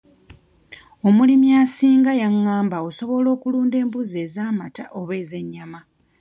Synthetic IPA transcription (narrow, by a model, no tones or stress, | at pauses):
o̞mulimjasiːŋɡajaŋːaːmbaoso̞βo̞lo̞ːkuluːnde̞ːmbuze̞ːzaːmataʔo̞βe̞ːze̞ɲːama